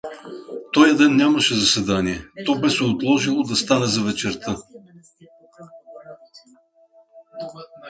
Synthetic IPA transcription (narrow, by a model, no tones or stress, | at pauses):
t̪ɔjɐd̪ɛnːʲamɐʃɛzɐsɛd̪aniɛt̪ɔbɛsɛot̪lˠɔʒilˠod̪ɐst̪anɛzɐvɛt͡ʃɛɾt̪ə